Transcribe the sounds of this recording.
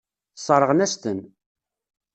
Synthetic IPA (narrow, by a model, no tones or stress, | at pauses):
sˤəɾˤəʁnæst̪ən